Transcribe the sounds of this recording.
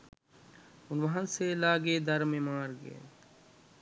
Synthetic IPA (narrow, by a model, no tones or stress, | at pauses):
ʊnʋɐɦãnselaːɡeːd̪ɐɾmẽːmaːɾɡḛḛ